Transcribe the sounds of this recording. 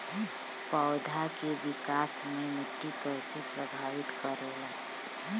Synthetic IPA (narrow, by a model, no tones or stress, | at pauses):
pəːd̪ʱakeʋɪkaːsmemɪʈːipɛɪsepɾəbʱaːʋɪt̪kəɾela